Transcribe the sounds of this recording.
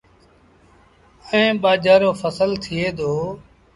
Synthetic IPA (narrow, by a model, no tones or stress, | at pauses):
ẽːɓaːd͡ʒaːɾoːfəsəlt̪ʰɪeːd̪oː